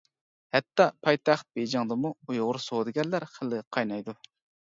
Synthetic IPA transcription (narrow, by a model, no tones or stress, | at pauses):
hɛt̪ːɑpʰɑjt̪ʰɑχt̪̚bed͡ʒɑŋd̪ɨmuujoʁʊɾsod̪ɨɡʲɛɾlæɾχəlɨqʰɑjnɑjd̪u